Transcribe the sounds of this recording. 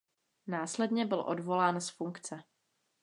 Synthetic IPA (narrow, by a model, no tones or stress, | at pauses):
naːslɛdɲɛbɪlʔo̞̰dvo̞laːnsfuŋkt͡sɛ